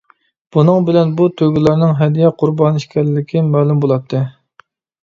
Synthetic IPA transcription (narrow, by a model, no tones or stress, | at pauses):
b̥unɨŋbɪlɛnbut̪ʰøɡʲilæɾnɨŋɦɛd̪ijɛqʰʊɾbɑniʃkʲɛlːɪkʲʰimɛːlumbolˠɑt̪ʰːɨ